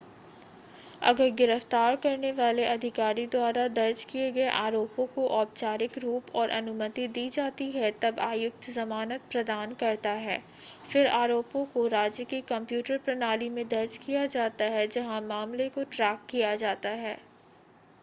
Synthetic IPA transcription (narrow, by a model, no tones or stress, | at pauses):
ɐ̰ɡəɾɡɪɾəft̪aːɾkɐɾneʋaːleʔɐd̪ʱɪkaːɾid̪waːɾad̪ɐɾd͡ʒkieɡɐeʔaːɾoːpõkoʔɔːp̚t͡ʃaːɾɪkɾuːpɔːɾʔɐ̰nʊmət̪id̪iːd͡ʒaːt̪iɦɛt̪ɐbaːjʊk̚t̪zɐmaːnət̪̚pɾɐd̪aːnkɐɾt̪aɦɛː | fɪɾaːɾoːpõkoɾaːd͡ʒjəkikɐ̃mpjuːʈəɾpɾɐnaːlimẽd̪ɐɾd͡ʒkijad͡ʒaːt̪aɦɛd͡ʒɐɦãmaːmlekoʈɾɛːkːijad͡ʒaːt̪aɦɛː